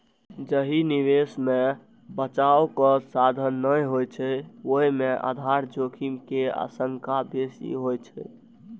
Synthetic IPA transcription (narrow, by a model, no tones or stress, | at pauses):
d͡ʒəɦiniʋesme | bət͡ʃawkɔsad̪ʱənːəjɦojt͡ʃʰɛoɦimeʔa̰d̪ʱaɾd͡ʒokʰimkea̰səŋkabesḭɦojt͡ʃʰɛ